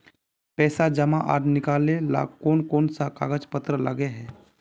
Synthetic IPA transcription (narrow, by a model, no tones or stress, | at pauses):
pɛːsad͡ʒɐmaʔa̰ːɾnɪkaːlela̰ːkoːnkoːnsaka̰ːɡət͡ʃpət̪ɾəlɐ̰ɡeɦɛː